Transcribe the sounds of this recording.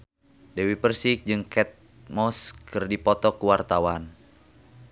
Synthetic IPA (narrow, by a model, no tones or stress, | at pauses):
dɛwipərsik̚d͡ʒɨŋkʰɛt̪̚ | mɔskɨrdipɔt̪ɔkuwart̪awan